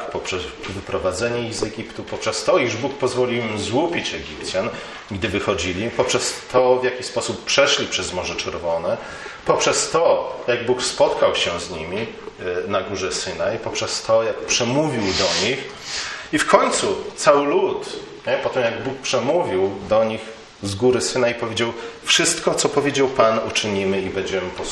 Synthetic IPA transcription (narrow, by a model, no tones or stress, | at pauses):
pɔpʂɛsvɘpɾɔvad̪zɛɲɛiɣzɛɡʲipt̪upɔpʂɛst̪ɔiʐbukpɔzvɔlʲiwimzwupʲit͡ɕɛɡʲipt̪sʲjan | ɡd̪ɘvɘxɔd͡ʑilʲipɔpʂɛst̪ʰɔvjakʲispɔsupːʂɛʂlʲipʂɛzmɔʐɛt͡ʂɛɾvɔnɛ | pɔpʂɛst̪ɔjaɡbukspɔt̪kawɕɛzɲimʲi | naɡuʐɛsɘnaipɔpʂɛst̪ɔjakpʂɛmuvʲiwd̪ɔɲix | ifkɔɲt̪sut̪sawɘlut̪ | ɲɛpɔt̪ɛmjaɡbuk̚pʂɛmuvʲiwd̪ɔɲix | zɡuɾɘsɘnaipɔvʲed͡ʑawfʂɘst̪kɔt̪sɔpɔvʲjed͡ʑawpanut͡ʂɘɲimɘibɛɲd͡ʑɛmɘpɔs